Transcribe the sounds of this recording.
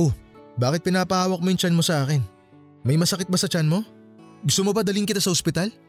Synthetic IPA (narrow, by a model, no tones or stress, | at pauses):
ʔobaːkɪt̪̚pɪnaːpɐhaːwɐk̚mo̞jʊŋt͡ʃanmo̞sɐʔaːkɛn | mɐjmɐsɐkɪt̪̚bɐsɐt͡ʃanmo̞ | ɡʊst̪omobɐd̪ɐlɪŋkɪt̪asɐʔospɪt̪al